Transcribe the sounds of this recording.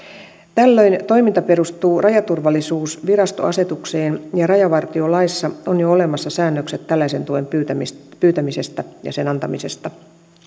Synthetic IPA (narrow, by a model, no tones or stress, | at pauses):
t̪ælːø̞jnt̪o̞jmint̪ɑpe̞ɾust̪uːrʔɑjɑt̪urʋɑlːisuːsʋiɾɑst̪o̞̰ɑse̞t̪ukseːnjɑrɑjɑʋɑrt̪io̞lɑisːɑonjoole̞mɑsːɑsæːnːøkset̪ːælːæise̞nt̪uempypyːt̪æmise̞st̪æjɑ̰senɑnt̪ɑmise̞st̪ɑ